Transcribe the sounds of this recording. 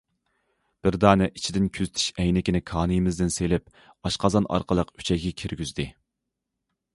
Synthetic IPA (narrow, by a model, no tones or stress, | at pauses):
b̥ɪɾd̪ɑːnɨʔit͡ʃʰid̪ɪnkʲʰyzt̪ʰy̥ʃɛjnɪkʲinɪkʰɑːnɨjmɪzd̪ɪnselɪp | ɑʃqɑzɑnɑ̰ɾqəlˠəqy̥t͡ʃʰɛɡʲɛkʲʰiɾɡʲyzd̪ɪ